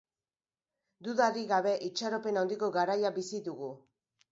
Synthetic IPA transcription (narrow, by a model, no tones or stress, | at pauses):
d̪uðaɾiɣaβe̞ʔit͡ʃaɾo̞pe̞nawnd̪iko̞ɡaɾajabisiðuɣu